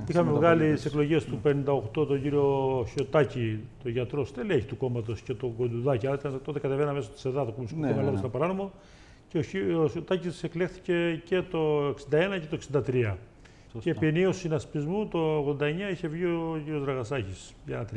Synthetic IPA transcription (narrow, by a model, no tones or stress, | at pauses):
ixɐmevɣɐlit̪ise̞klo̞ʝe̞st̪upe̞nind̪ɐo̞xt̪o̞t̪o̞ɲɟiɾio̞ço̞t̪ɐcit̪o̞ʝɐt̪ɾo̞st̪eleçi̥t̪uko̞mɐt̪̬o̞sce̞t̪o̞ɡo̞d̪uðɐciɐlɐit̪ɐnt̪o̞t̪e̞kɐt̪evenɐme̞sot̪i̥seðɐt̪okomosit̪emɐlɐt̪st̪ɐpɐɾɐno̞mo | ceooot̪ɐcissekle̞xθi̥ce̞ce̞t̪o̞eksind̪ɐe̞nɐce̞t̪oeksind̪ɐt̪ɾiɐ | ce̞piniosinɐspizmut̪o̞ːɣðo̞nd̪ɐeɲɐiçe̞vʝioʝiɾio̞zɾɐɣɐsɐçis | ʝɐt̪ɾ